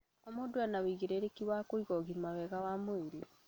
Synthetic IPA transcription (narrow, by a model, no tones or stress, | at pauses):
omodoanawiɣeɾeɾekiwakoiɣɔɣimawɛɣawamoeɾe